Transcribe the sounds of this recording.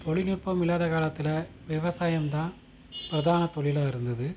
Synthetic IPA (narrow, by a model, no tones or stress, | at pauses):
t̪ɔɭɪnur̚pɐmɪlːaːðɐkaːlɐt̪ːɪlɐ | ʋɛʋɐsaːjɐmt̪ãːn | pɪɾɐðaːnɐt̪ɔɭɪlaːɪɾɯnd̪ɐðɯ